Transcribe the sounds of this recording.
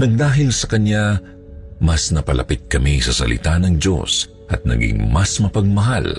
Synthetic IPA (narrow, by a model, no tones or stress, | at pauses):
nɐɡ̚d̪aːɦɪlsɐkɐnja | mɐsnɐpɐlʔɐ̰pɪt̪̚kɐmisɐsɐ̰lʔɪ̰t̪anɐŋd͡ʒo̞̰s | ʔɐt̪̚nɐ̰ɡɪ̰ŋmɐsmɐpɐɡ̚mɐɦal